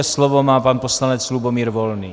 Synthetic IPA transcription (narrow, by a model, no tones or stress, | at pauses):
ɛslɔʋɔmaːpaːnpɔslaɲɛd͡zlubɔmiːɾʋɔlnḭː